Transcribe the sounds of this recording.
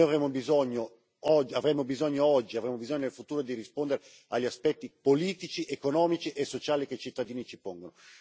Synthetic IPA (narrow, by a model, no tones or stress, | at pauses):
nojavɾeːmobizoɲːo | ɔd͡ʒːiavɾemːobizoɲːoɔd͡ʒːiavɾeːmobizoɲːonelfut̪uːɾod̪irispond̪eɾe | aʎːiaspɛt̪ːipoliːt̪it͡ʃiʔekonɔːmit͡ʃiʔesːot͡ʃaːlikeit͡ʃit̪ːad̪iːnit͡ʃipoŋɡono